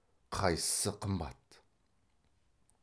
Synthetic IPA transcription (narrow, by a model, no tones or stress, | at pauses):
qʰɑjsə̥səqʰəmbɑ̰t̪